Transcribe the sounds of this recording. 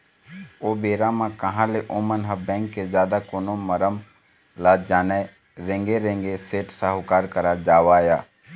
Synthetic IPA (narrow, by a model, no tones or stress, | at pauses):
oːbeːɾãmãkəɦãːleʔoːmənɦəbɛ̃ːŋkːezjaːd̪akoːnoməɾəm | laːd͡ʒaːne | ɾẽːŋɡeɾẽːŋɡeseːʈsaɦʊkaːɾkəɾad͡ʒaːʋaːjaː